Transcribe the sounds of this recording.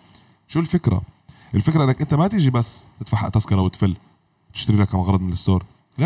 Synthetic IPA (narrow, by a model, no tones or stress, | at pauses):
ʃuːlfekɾæ̰ʔelfekɾæʔenːækʔent̪æmæt̪iːd͡ʒibæsːt̪ɪt̪faħa̰ʔt̪æskɑɾˤɑwet̪fɪlː | wt̪ɪʃt̪aɾiːlækæmɑɣɑɾˤɑd̪menlest̪oːɾˤ | l